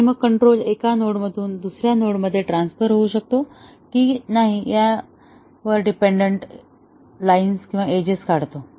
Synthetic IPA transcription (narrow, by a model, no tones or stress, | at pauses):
məɡ̚kəɳʈɾolekanoɽməd̪ʱuːnd̪usɾjanoɽməd̪ʱːjeʈɾansfəɾɦouɕək̚t̪o | kiːnaɦija | ʋəɾɖipeɳɖəɳʈ | lainskĩw̃ʋaed͡ʑeskaɽt̪o